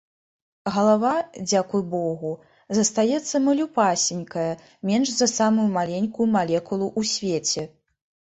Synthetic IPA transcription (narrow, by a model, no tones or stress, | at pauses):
ɣɐlˠavad͡zʲakujbɔɣu | zɐst̪ajɛt̪sːɐmɐlʲupasʲinʲkɐjɐ | mʲɛnʐzɐsamujumalʲenʲkujumalʲɛkulˠuʔusʲvʲet͡sʲɛ